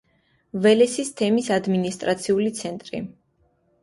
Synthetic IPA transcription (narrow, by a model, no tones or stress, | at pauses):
vɛlɛsist̪ʰɛmisad̪minist̪ʼɾat̪sʰiulit̪sʰɛnt̪ʼɾḭ